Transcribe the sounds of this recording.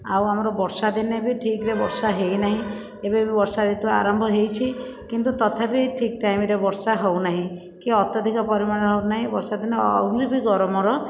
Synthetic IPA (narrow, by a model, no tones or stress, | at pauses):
a̰wamɔɾɔbɔɾsad̪inebiʈʰikɾebɔɾsaɦejnaɦĩ | ebebibɔɾsad̪it̪ubaa̰ɾɔmbʱɔɦejt͡ʃʰikint̪ut̪ɔt̪ʰapiʈʰik̚ʈajmiɾebɔɾsaɦownaɦĩ | kiɔt̪ɔd̪ʱikɔpɔɾimanɦewnaɦĩbɔɾsad̪inɔɔ̰wɾibiɡɔɾɔmɔɾɔ